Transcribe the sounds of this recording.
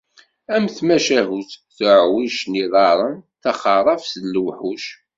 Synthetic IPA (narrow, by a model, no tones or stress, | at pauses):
æmθmæʃæɦuθθəʕwiʃniðˤɑɾˤənθɑχɑɾˤɑfsəlːwħuʃ